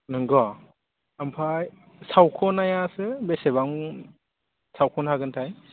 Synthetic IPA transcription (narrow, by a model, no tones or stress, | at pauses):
nɯŋɡɔ | ampʰaj | sawkʰɔnajasɯbesebaŋ | sawkʰɔnhaɡɯntʰaj